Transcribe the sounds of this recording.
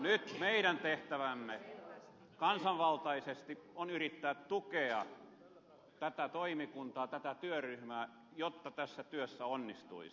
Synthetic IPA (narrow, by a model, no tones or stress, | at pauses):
nyt̪meiɾænt̪eht̪æʋæmːe | kɑnsɑʋʋɑlt̪ɑisest̪ionyrit̪ːæːt̪t̪ukeɑ̰ | t̪æt̪æt̪oimikunt̪ɑːt̪æt̪æt̪yøryhmæː | jot̪ːɑt̪æsːæt̪yøsːæonːist̪ṵi